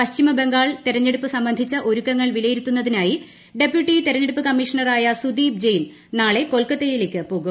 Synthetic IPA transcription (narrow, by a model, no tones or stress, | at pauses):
pɐɕt͡ɕimɐbe̞ŋɡaːɭt̪iɾɐɲːeɽupːɨsɐmbɐnd̪ʱit͡ɕːɐʔo̞ɾukːɐŋːɐɭʋilɐjiɾut̪ːunːɐðinaːji | ɖe̞pjuʈːit̪iɾɐɲːeɽupːɨkɐmːiʂɐnɐraːjɐsud̪iːb̚d͡ʑejn | naːɭe̞ko̞lkɐt̪ːejilekʲːɨpoːɣum